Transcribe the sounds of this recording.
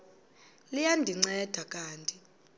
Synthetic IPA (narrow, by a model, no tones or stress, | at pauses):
lijandʱiŋ͡ǀɛd̥ʱakʼaːntʼi